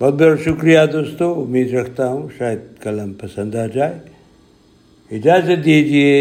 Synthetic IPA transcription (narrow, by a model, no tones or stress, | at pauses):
bɐl̚beɾʃʊkɾijad̪oːst̪oʊmiːd̪ɾɐkʰt̪aɦũʃaːjəd̪̚kɐləmpɐsə̃nd̪ad͡ʒaːe | ɪd͡ʒaːzət̪̚d̪ied͡ʒie